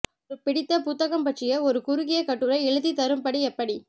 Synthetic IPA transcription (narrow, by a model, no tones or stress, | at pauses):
ɔɾɯpɪɽɪt̪ːɐpʊt̪ːɐɣɐmpɐʈt͡ʃɪjɐɔɾɯkʊɾʊɣɪjɐkɐʈːɯɾɐɪɛɻɯðit̪ɐɾɯmpɐɽiɛpːɐɽi